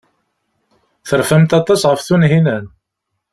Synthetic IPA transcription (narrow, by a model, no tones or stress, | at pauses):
θəɾfæmt̪ɑt̪ˤɑsʁəfθunɦinæn